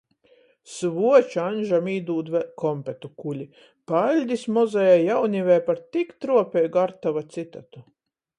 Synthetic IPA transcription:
svuɔt͡ʃanʲʒamiːd̪uːd̪kɔmpɛt̪ukulʲi | palʲd̪ʲismɔzɛjajawnivʲɛjpaɾt̪ikt̪ɾuɔpʲɛjɡaɾt̪avat̪sit̪at̪u

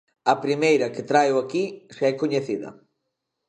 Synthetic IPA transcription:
ɐpɾimejɾɐket̪ɾajoakiseɛkoɲeθiðɐ̰

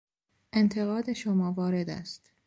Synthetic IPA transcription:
ʔe̞nt̪ʰe̞ɣɒːd̪e̞ʃomɒːvɒːɾe̞d̪æ̰st̪

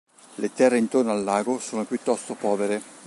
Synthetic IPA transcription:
let̪ɛrːeint̪ornoalːaːɡosoːnopjut̪ːɔst̪opɔːveɾe

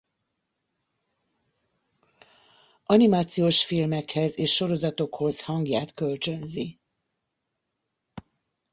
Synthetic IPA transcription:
ʔɒnimaːt̪sijoːʃfilmɛkhɛzeːʃːo̞ɾo̞zɒt̪o̞kho̞zhɒŋɡjaːt̪kø̞lt͡ʃø̞nzi

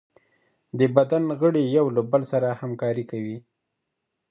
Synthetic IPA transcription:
d̪əbad̪anɣəɽejawlabəlsaɾahamkɑɾikawi

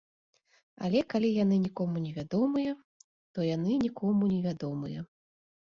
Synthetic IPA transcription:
a̰lʲɛkalʲijanɨnʲikɔmunʲɛvʲad̪ɔmɨjɐ | t̪ɔjanɨnʲikʰɔmunʲɛvʲad̪ɔmɨjɐ̰

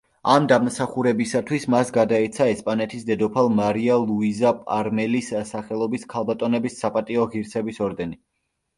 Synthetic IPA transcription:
amd̪amsaχuɾɛbisat̪ʰwismasɡad̪aɛt̪sʰaɛspʼanɛt̪ʰisd̪ɛd̪ɔpʰalˠmaɾialˠuizapʼa̰ɾmɛlissaχɛlˠɔbiskʰalˠbat̪ʼɔnɛbisːapʼat̪ʼiɔʁiɾsʰɛbisɔɾd̪ɛni

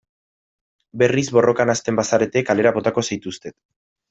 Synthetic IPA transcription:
be̞rizβo̞rʔo̞kanast̪e̞mbasaɾe̞t̪e̞kale̞ɾaβo̞t̪ako̞sajt̪ust̪e̞t̪

